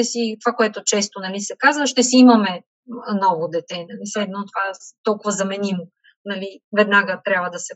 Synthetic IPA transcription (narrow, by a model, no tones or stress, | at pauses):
t̪ɛsit̪ovakoɛt̪ʊt͡ʃɛst̪onɐlisɛkazvəʃt̪ɛsiimɐmɛ | nɔɡʊd̪ɛt̪ɛnɐlislɛd̪not̪ovat̪ɔlˠkʊvəzɐmɛnimo | nɐlivɛd̪naɡət̪ɾʲabvəd̪ɐsɛ